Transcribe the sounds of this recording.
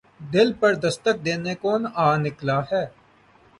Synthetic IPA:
d̪ɪlpəɾd̪əst̪ək̚d̪eːnekoːnaːnɪklaɦɛː

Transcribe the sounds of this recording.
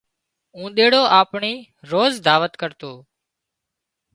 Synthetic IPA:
ũːɗ̪eːɽoːʔaːpɳiː | ɾoːzd̪ʱaːʋət̪kəɾt̪oː

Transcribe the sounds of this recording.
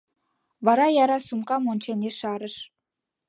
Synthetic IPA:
βɑɾɑjɑɾɑsumkɑmonʲt͡ɕenʲeʃɑɾəʃ

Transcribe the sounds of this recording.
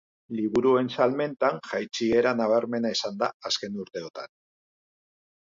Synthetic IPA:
liβuɾue̞nsalme̞nt̪aŋʝajt͡ʃie̞ɾanaβ̞aɾme̞naisand̪aːske̞nuɾt̪e̞ot̪a̰n

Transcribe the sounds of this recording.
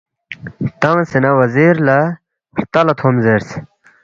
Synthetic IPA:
t̪ɐŋsinɐwɐziɾlɐ | ɾt̪ɐlɐt̪ʰomzeɾs

